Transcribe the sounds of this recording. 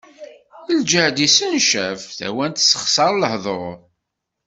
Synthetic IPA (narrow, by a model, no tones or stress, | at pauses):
əld͡ʒəhd̪isənʃævθæ̰wænt̪sə̥χsɑɾˤləhðˤoʊɾˤ